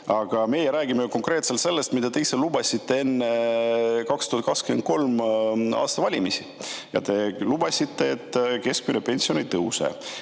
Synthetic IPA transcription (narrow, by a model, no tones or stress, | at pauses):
ɑɡ̥ɑme̞jɛɾæːɡ̥imejuko̞ŋkreːt̪selt̪se̞lːest̪mid̪̥ɑt̪e̞jselubɑsʲit̪ːe̞e̞nːe | kɑkst̪uhɑt̪̚kɑkskyment̪̚ko̞lmɑ̰ːst̪ɑvɑlʲimisijɑ̰t̪e̞lubɑsʲit̪ˑːe̞ːt̪ːke̞sk̚minepe̞nsio̞nejt̪ɤwsḛ